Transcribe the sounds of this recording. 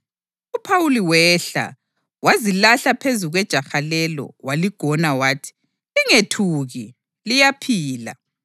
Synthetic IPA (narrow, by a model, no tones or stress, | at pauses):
upʰawuliwɛɬa̰ | wazilaɬapʰezuɣwɛd̥ʒ̥ʱaxalɛlɔ̰waliɡ̥ʱɔnawaːtʰi̥ | liŋetʰuːɣi | lijapʰiːla̰